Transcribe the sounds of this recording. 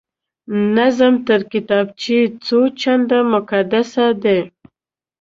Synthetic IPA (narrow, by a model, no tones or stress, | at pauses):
nazamt̪əɾkɪt̪ɑb̚t͡ʃit͡sot͡ʃand̪amʊkad̪asad̪e